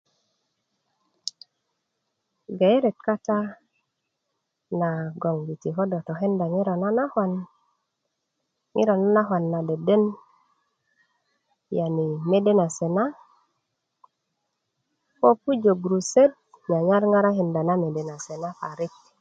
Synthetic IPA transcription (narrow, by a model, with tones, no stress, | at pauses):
ɡa˨e˦ɾe˨t̚ka˦ta˦ | na˨ɡo˨ŋɡi˨ti˨ɦo˦do˨to˨ɦe˦nda˨ŋi˦ɾo˨na˦na˦ha˨n | ŋḭ˦ɾo˨na˦na˦ɦwa˨nːa˨de˨de˦n | ja˨ni˨me˦de˦na˨se˨na˦ | po˦pu˦d͡ʒo˨ɡɾu˨se˦d̚ | ɲa˨ɲa˦ɾŋa˦ɾa˦ɦe˨nda˨na˦me˨de˨na˨se˨na˦fa˨ɾi˦k̚